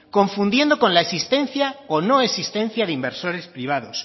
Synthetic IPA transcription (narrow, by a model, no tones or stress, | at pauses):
ko̞ɱfund̪je̞nd̪o̞ko̞nlaesist̪ẽ̞nθjaono̞e̞sist̪ẽ̞nθjaðeimbe̞ɾso̞ɾe̞spɾiβ̞að̞o̞s